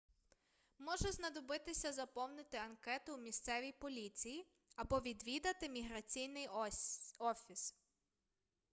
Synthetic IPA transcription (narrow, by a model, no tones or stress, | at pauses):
mɔʒɛznɐd̪ɔbɪt̪ɪsʲɐzɐpɔwnɪt̪ɪɐnkɛt̪ʊumʲist̪sɛʋʲijpɔlʲit͡sʲiji | ɐbɔʋʲid̪ʋʲid̪ɐt̪ɪmʲiɦɾɐt͡sʲijnɪj | ɔfʲis